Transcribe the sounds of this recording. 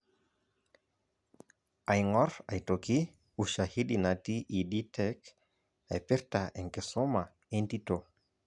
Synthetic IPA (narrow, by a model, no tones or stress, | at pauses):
ajŋɔɾa̰jtoki | uʃahidinatiʔiditɛk | ajpɪɾtaʔɛŋkɛsɔma | ɛntito